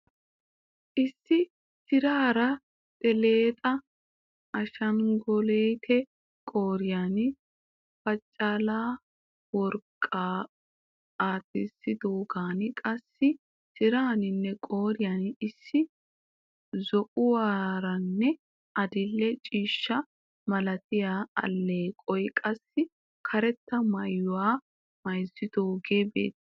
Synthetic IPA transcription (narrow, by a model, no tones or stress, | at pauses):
ʔɪsːɪ | sɪɾaːɾɐ | t̪ʼɛleːt̪ʼɐ | ʔɐʃɐŋɡɔleːt̪ʰɛ | kʼoːɾɪjaːn | fɐt͡ʃʼːɐlaː | wɔɾkʼːaː | aːt̪ːɪsːɪd̪oːɡaːnkʼɐsːɪ | sɪɾaːnɪnːɛkʼoːɾɪjanɪsːɪ | zɔʔʊwaːɾɐnːɛ | ɐd̪ɪlːɛt͡ʃʼiːʃːɐ | mɐlɐt̪ɪjaːɐ̰lːeːkʼɔjkʼɐsːɪ | kʰɐɾɛt̪ːɐmɐjːʊwaː | mɐjzːɪd̪̥o̞ːɡe̞ːbḛːt̪ː